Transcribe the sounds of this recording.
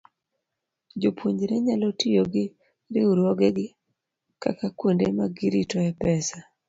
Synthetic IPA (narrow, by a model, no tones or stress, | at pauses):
d͡ʒopwoɲd͡ʒɾeɲalotijoɡɪ | ɾɪuɾwɔɡɛɡɪ | ka̰kakwondemaɡɪɾitɔɛpɛsa